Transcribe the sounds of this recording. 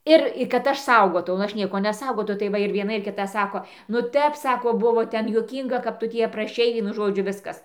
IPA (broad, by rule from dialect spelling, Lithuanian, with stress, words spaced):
ˈɪr kɐt ˈɐʃ ˈsɐʊɡoːtɐʊ nʊ ˈɐʃ ˈnʲiɛkoː nʲɛˈsɐʊɡɐʊ ˈnʊ tɐɪ ˈʋɐ ɪr ʋʲiɛˈnɐ ɪr kʲɪˈtɐ ˈsɑːkoː nʊ ˈtʲɛp ˈsɑːkoː ˈbʊʋoː ˈtʲɛn juɔˈkʲiːŋɡɐ kɐp ˈtʊ tʲiː ɐprɐˈʃʲɛɪ ˈʋʲiɛnʊ ˈʒoːd͡ʒʲʊ ˈʋʲɪskɐs